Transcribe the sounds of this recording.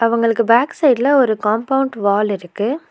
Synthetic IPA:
ɐʋɐŋɡɐɭɯkːɯbaːksɐɪɖlɐɔɾɯkaːmpɐʊɳɖʋaːlɪɾɯkːɯ

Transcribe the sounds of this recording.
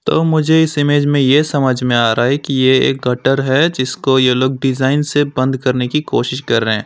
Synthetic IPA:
t̪oːmʊd͡ʒʱeɪsɪmeːd͡ʒmẽjesɐməd͡ʒʱmẽaːɾaɛkijeeːk̚ɡɐʈəɾɦɛd͡ʒɪskojeloːɡ̚ɖɪzaːɪnsebɐ̃nd̪kɐɾnekikoːʃɪʃkɐɾːəɦɛ̃ː

